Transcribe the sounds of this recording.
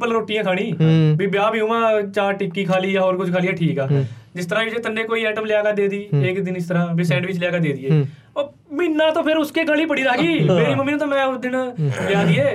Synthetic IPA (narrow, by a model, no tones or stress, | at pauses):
pəlɾoːʈɪjãːkʰaːɽ̃ĩːbiːbjaːbjũːmãːt͡ʃaːʈɪpkiːkʰaːliːaːɔːɾkʊd͡ʒkʰaːlijãːʈʰiːkɛaːd͡ʒɪst̪əɾaːʋɪt͡ʃet̪əneːkoːiːɛːʈəmlejaːɡaːd̪eːd̪iːeːkd̪ɪnɪst̪əɾãːbɪsɛ̃ːɳɖʋɪt͡ʃleaːɡaːd̪eːd̪ɪːeː | ɔː | mɪnːãːt̪õːpʰɪɾʊskeːɡəliːpəɽiːɾaːɡiːmeːɾiːməmːiːñːt̪õːmɛ̃ːʊsd̪ɪnbɪjaːd̪iːeː